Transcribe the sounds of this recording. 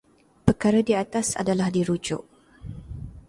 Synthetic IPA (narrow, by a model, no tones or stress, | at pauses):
pəkaɾadiat̪asa̰dalahdiɾud͡ʒʊ̰ʔ